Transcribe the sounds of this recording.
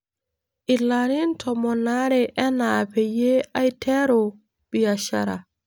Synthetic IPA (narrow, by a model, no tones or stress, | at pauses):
ʔilːanintʰɔmɔnaɾɛʔɛnapɛjeajtʰɛɾɔ | b̥ijaʃa̰ɾa̰